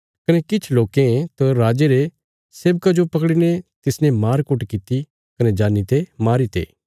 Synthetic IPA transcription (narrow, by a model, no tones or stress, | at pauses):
kɐnɛkɪt͡ʃʰloːkẽt̪ɐɾaːd͡ʒeɾe | seːbkad͡ʒopɐkɽinet̪ɪsnɛ̃maːɾkʊʈkɪt̪i | kɐned͡ʒaːnit̪emaːɾit̪ḛː